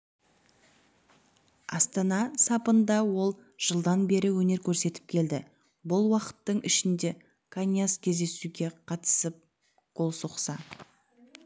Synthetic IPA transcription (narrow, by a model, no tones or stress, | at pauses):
ɑst̪ɑnɑsɑpənd̪ɑwo̞lˠʒ̥əlˠd̪ɑnbe̞ɾɪwɵne̞ɾkʲʰɵɾse̞t̪ɪp̚kʲʰe̞ld̪ɪ | bʊlˠwɑqə̥t̪ːəɴɪʃɪnd̪e̞ | kʰanjaskʲʰe̞zd̪e̞suɡʲe̞qʰɑt̪ə̥səp̚ | qʰo̞lˠsoqsɑ